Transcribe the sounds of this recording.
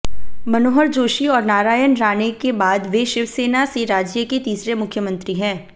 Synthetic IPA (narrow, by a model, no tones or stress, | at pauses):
mɐnoːɦəɾd͡ʒoːʃiɔːɾnaːɾaːjənɾaːnekebaːd̪ʋeʃɪʋseːnaseɾaːd͡ʒjəket̪iːsɾemʊkʰjəmə̃nt̪ɾiɦɛ̃ː